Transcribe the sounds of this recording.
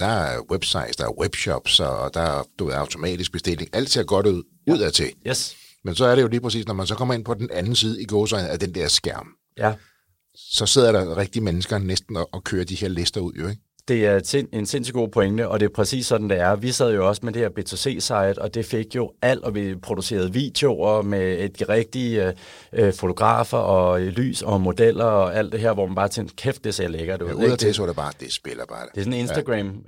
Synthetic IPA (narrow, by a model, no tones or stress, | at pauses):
d̥ɑ̈web̥sɑ̈ɪ̰d̥sd̥ɑ̈æɐweb̥ɕɒb̥sɒɒd̥ɑ̈æd̥uʋe̝ðˠɑ̈ʊt͡sʰo̝mɛ̰ːd̥isɡ̥̚b̥e̝sd̥e̝l̰e̝ŋʔæl̰d̥t͡sʰe̝ɐɡ̥ɒɾ̥uð̰ˠ | uð̰ˠæt͡sʰe̝ | mensɒ̽æɐɾe̝jo̝liːpʰʁɛsḭːsnɒmænsɒ̽kʰɒ̽m̰ɐe̝n̰pʰɒ̽d̥en̩ænn̩siːð̞ˠəiɡ̥ɔːsɪn̩æɐd̥end̥ɛɐ̰sɡ̥æɐ̰m | j | sɒ̽se̝ð̰ˠɐɾɑ̈ʁeɡ̥̚d̥iːmenəsɡ̥ɐnesd̥n̩ɒ̽ʔɒ̽kʰøːɐd̥ihe̝ɐ̰le̝sd̥ɐuð̰ˠjo̝eɡ̥ | d̥e̝æɐsee̝nse̝n̰sy̥ɡ̥o̝̰ːpʰo̽eŋd̥əɒ̽d̥e̝pʰʁɛsḭːsːɒ̽d̥n̩d̥e̝æɐʋisɛð̰ˠjo̝ɒ̽səmed̥e̝heɐ̰b̥e̝ːt͡sʰe̝se̝̰ːsɑ̈ɪð̩ˠɒ̽d̥e̝feɡ̥jo̝æl̰d̥ɒ̽ʋipʰʁo̝d̥use̝̰ːɐð̞̩ˠʋḭd̥e̝o̝ɒmed̥iʁɛɡ̥̚d̥i | fo̝t͡sʰo̝ɡ̥ʁɑ̰̈ːfɐʔɒ̽ly̰ːsɒ̽mo̝d̥el̰ɐɒæl̰d̥e̝ɦeɐ̰ʋɒ̰mænb̥ɑ̈ːt͡sʰeŋkʰefd̥esɐjɑleɡ̥ɐd̥eṵesɒɐɾ̥eb̥ɑ̈ːd̥esb̥elɐb̥ɑ̈ːd̥e̝sɔne̝nsd̥æɡ̥ʁɛm